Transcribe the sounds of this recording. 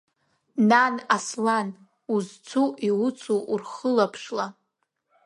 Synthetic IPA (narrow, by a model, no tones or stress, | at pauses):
nanaslan | uzt͡sʷʰuʔiwʊt͡sʰuʔurχəlapʰʂla